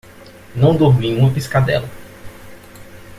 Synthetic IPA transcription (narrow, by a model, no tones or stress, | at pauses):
nɐ̃w̃d̪oɾmiũmɐpiskad̪ɛ̰lɐ